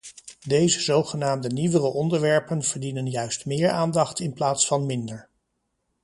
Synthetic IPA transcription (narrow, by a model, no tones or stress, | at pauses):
dejzəzowχənaːmdəniʋərəʔɔndəɹʋɛɹpənv̥əɹdinənjœɥstmɪːɹaːndɑχtɪnplaːtsfɑnmɪndəɹ